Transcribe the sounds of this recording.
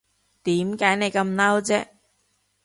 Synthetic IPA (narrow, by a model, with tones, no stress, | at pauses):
t̪iː˨˥mkaː˨˥jne˨˧jkɐ˧mnɐ˥wt͡sɛː˥